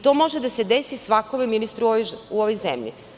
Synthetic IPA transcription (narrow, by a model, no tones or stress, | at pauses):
t̪o̞ːmo̞ʒed̪ase̞d̪e̞sisʋakoʋiminist̪ɾuuoʋojzemʎḭ